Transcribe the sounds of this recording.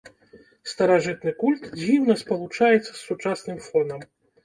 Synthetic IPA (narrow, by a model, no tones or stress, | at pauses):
st̪ɐɾaʐɨt̪nɨkulʲt̪d͡zʲiwnɐspɐlˠut͡ʂajɛt̪sːɐsːut͡ʂasnɨmfɔnɐm